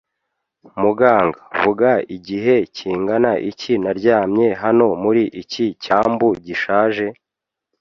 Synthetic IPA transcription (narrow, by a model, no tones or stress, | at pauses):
muɡaːŋɡaβuɡaiɟiɦe̞ciːŋɡanaʔicinaɾɟaːmɲe̞ɦano̞muɾiʔicicaːmbuɟiʃaːʒe̞